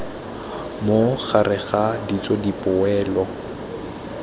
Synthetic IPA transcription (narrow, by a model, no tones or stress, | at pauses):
moɣarɪɣadit͡sʼɔdipʼʊɛːlɔ